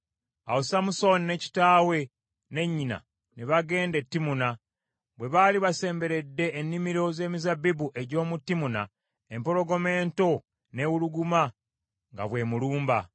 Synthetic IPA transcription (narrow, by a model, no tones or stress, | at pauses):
a̰wosamuso̞nine̞ci̥taːwe̞ | ne̞ɲːina̰ | neβaɡe̞ːnde̞tːimuna | βwe̞βaːliβase̞ːmbe̞ɾe̞dːe̞ːnːimiɾo̞ze̞ːmizabibuʔe̞ɟo̞ːmutːimuna̰ | empo̞ɾo̞ɡo̞me̞ːnto̞ | ne̞wuluɡuma | ŋɡa̰βwe̞ːmuluːmba